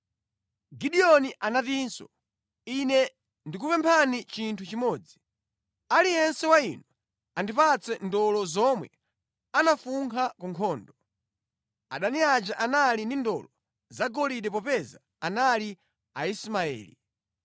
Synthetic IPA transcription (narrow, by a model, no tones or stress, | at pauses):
ɡiɗiɔniʔanatinsɔ̰ | inɛ | ndikupɛmpʰanit͡ʃintʰut͡ʃimɔːd͡zi | aliɛnsɛwainɔ | andipat͡sɛndɔlɔzɔmwɛ̰ | anafuŋkʰakuŋkʰɔːndɔ | a̰ɗaniat͡ʃaʔanalindindɔlɔ | zaɡɔliɗɛpɔpɛza | anali | aismaɛ̰ːlḭ